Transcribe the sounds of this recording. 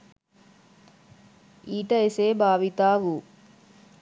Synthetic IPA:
iːʈɐeseːbaːʋit̪aːʋu

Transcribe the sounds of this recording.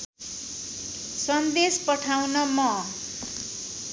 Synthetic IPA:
sʌnd̪espʌʈʰawnʌmʌ

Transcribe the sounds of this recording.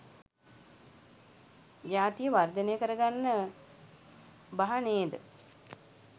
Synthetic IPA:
jaːt̪ijəʋard̪ənejəkəɾəɡanːə | baɦaneːd̪ə̰

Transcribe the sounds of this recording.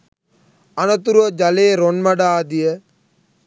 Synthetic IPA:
ɐnɐt̪uɾod͡ʒɐleːɾonmɐɖaːd̪ije

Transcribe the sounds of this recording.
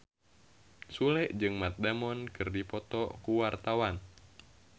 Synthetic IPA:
sulɛʔd͡ʒɨŋmat̪̚damɔnkɨrdipɔt̪ɔkuwart̪awan

